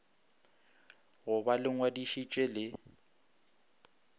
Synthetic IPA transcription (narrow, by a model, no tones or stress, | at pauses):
ɣʊbalɪŋwadiʃit͡ʃʼɛlɪ